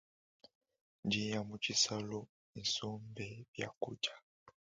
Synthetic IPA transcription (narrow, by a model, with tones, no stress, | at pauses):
ndi˦ja˨mu˨t͡ʃi˦sa˦lɔ˦ | i˨su˦mbɛ˨bja̰˨kṵ˦tʰḁ˨